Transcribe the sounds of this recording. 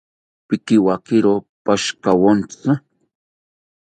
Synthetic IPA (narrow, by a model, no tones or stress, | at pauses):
pɪkiwakɪɾopaʃkawont͡sʊ